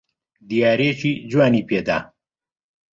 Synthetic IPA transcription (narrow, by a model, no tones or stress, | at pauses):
d̪ijaːɾeːt͡ʃiːd͡ʒwaːniːpeːd̪a̰ː